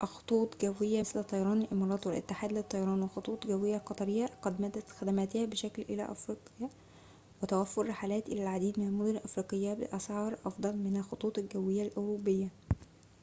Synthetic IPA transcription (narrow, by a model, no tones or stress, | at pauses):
ʔxo̥t̪ˤuːt̪ˤɡæwːɪjːæslt̪ˤːɑjɑɾˤɑːnlʔɪmɑːɾˤɑːt̪ˤwɪlʔɪ̰t̪ːɪħaːd̪lɪt̪ˤːɑjɑɾˤɑːnwexot̪ˤuːt̪ˤɡæwːɪjːæqɑt̪ˤɑɾɪjːaqɑd̪mæːd̪ːæt̪xæd̪æmæːt̪hæːbɪʃæklʔɪlæ̰ːʔɑfɾiːqjɑ | wɪt̪æwæfːoɾːɪħaːlæːt̪ʔɪ̰læːlʕad̪iːd̪mɪnælmod̪ʊnʔɑfɾiːqɪjːabɪ̰ʔæsʕɑːɾˤʔɑfd̪ˤɑlmɪnælxot̪ˤuːt̪ˤɪlɡæwːɪjːælʔoɾubɪjːæ